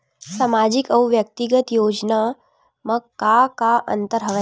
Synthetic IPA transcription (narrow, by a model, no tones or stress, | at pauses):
samaːd͡ʒɪkɐwʋjək̚t̪iɡət̪joːd͡ʒna | mɐkakaʔɐ̰̃nt̪əɾɦɐʋə